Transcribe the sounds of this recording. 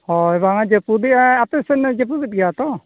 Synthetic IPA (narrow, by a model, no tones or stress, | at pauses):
hɔɛbaŋad͡ʒɛpud̪iap̪ɛsɛnɛd͡ʒɛp̬ub̪it̪̚ɡɛat̪ɔ